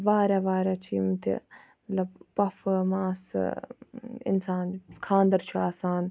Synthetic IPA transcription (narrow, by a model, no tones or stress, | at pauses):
ʋaːɾaʋaːɾat͡ʃʰiːmɐt̪ʰḭ | mɐlɐbpɐfmaːs | ɪ̰nsaːnkʰãːnd̪ɐɾt͡ʃʰuaːsaːn